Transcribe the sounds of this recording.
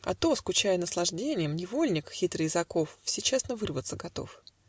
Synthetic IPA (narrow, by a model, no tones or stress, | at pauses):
ɐ̰t̪o̞skʊt͡ɕæjənəslˠɐʐdʲenʲɪjəmnʲɪvo̞lʲnʲɪkxʲit̪ɾɨjɪzɐko̞ffsʲet͡ɕesnəvɨrvət̪səɡɐt̪o̞̰f